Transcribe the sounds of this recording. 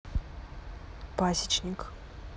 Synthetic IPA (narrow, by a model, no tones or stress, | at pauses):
pasʲit͡ʃʰnʲik